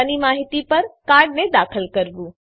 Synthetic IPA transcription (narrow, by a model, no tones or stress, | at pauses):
ənimaːɦɪt̪ipɐɾkaːɾɽnẽd̪aːkʰəlkɐɾbuː